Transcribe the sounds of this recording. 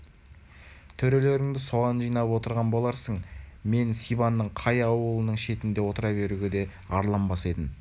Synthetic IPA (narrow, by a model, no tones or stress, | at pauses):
t̪ʰɵɾe̞le̞ɾɪŋd̪ɪso̞ʁɑnʒijnɑpwo̞t̪əɾʁɑnbo̞lˠɑɾsəɴme̞nsijbɑnːəɴqʰɑjɑwəlˠənəɴʃe̞t̪ɪnd̪e̞wo̞t̪əɾɑβe̞ɾuɡʲed̪e̞ | ɑɾlˠɑmbɑse̞d̪ɪn